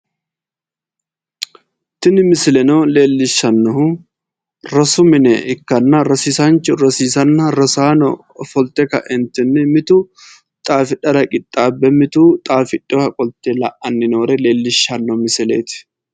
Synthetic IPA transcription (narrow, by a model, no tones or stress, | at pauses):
t̪ɪnɪmɪsɪlɛnoːle̞ːlːɪʃːɐnːɔhʊ | ɾɐsʊmɪnɛɪkːɐnːɐɾɐsiːsɐnt͡ʃʊɾɐsiːsɐnːɐɾɐsaːnɔ | fɔlt̪ɛkɐ̰ʔɛnt̪ɪnːɪmɪt̪u | t̪ʼaːfɪᶑɐɾɐkʼɪt̪ʼːaːbːɛmɪt̪uːt̪ʼaːfɪᶑɔhɐkʼɔlt̪elɐ̰ʔɐnːɪnoːɾɛle̞ːlːɪʃːɐnːɔmɪsɪlḛːt̪ɪ̥